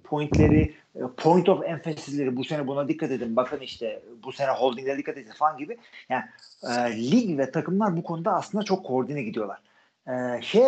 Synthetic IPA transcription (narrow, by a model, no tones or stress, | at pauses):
pʰo̞jint̪lʲeɾɪ | pʰo̞jint̪ʰo̞fɛnfesizlʲe̞ɾibuse̞nɛbunad̪ikʰːat̪e̞d̪imbakʰɯniʃt̪ʰɛbuse̞nɛɦo̞lˠd̪iŋʲɛd̪ikːat̪ed̪imfanɟibɪjaːnɪlʲiɡvɛt̪ʰakɯmlˠaɾbukʰo̞nud̪aːsɯnd̪at͡ʃʰo̞kʰːooɾd̪inɛɟid̪ijo̞lˠaɾ̥ | ɛʃe